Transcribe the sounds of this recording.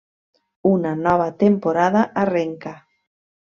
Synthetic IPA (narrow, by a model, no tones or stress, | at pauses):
unanɔβ̞at̪empoɾaðaʔareŋka